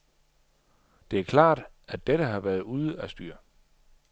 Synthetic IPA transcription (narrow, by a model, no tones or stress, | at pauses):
d̥e̝æɐkʰlɑ̰̈ːd̥ | æd̥eɾəɦɑ̈ʋæːɐð̞̩ˠuːð̞ˠəæsd̥y̰ːɐ